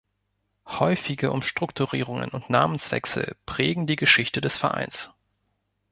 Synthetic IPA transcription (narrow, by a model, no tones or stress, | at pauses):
hɔʏfɪɡəʔʊmʃtʁ̥ʊktʰuʁḭːʁ̞ʊŋə̰nʊntna̰ːmənsv̥ɛ̰ksl̩pʁ̥ɛːɡŋ̩diːɡəʃɪçtədɛsfɛɐʔa̰ɪns